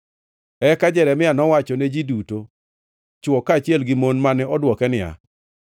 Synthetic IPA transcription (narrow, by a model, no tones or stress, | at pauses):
ɛkad͡ʒɛɾɛmɪanɔwat͡ʃɔned͡ʒiduto | t͡ʃwɔkat͡ʃjɛlɡɪmonmanɛɔdwɔkɛnɪja̰